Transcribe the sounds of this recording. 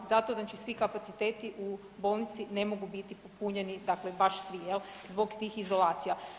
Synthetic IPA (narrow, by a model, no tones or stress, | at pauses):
zat̪oznat͡ʃisʋikapat̪sit̪e̞ːt̪iʔu | bolˠnit̪sine̞mo̞ɡubit̪ipopuɲe̞nid̪aklebaʃsʋijel | zbo̞ɡt̪iːxizo̞lˠaːt̪sija